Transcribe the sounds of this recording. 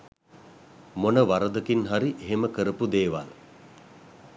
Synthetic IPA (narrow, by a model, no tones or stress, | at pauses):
monəʋaɾəd̪əkinɦaɾiʔeɦeməkəɾəpud̪eːʋal